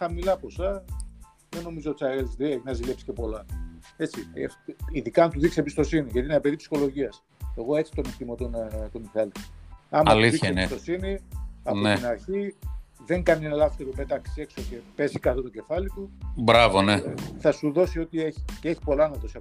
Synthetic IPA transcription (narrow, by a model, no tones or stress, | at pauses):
xɐmilɐpo̞sɐ | ðeno̞mizot̪it͡ssɐɾeizðieʝinɐzile̞psi̥ce̞po̞lɐe̞t͡siefiðikɐɐnt̪uðiksiebist̪o̞siniʝɐt̪inɐbeðipsi̥xo̞lo̞ʝiɐs | e̞ɣo̞e̞t͡si̥t̪o̞nekt̪imot̪ont̪omiθɐliɐmɐliðiçseiest̪osiniɐninɐɾçiðe̞ŋɡɐnienɐlɐft̪e̞ɾope̞t̪ɐksi̥e̞kso̞ce̞pe̞zikɐt̪ot̪o̞ɟe̞fɐlit̪ubɾɐvoneθɐsuðo̞sio̞t̪ieçi̥cee̞çi̥po̞lɐnɐðo̞siɐ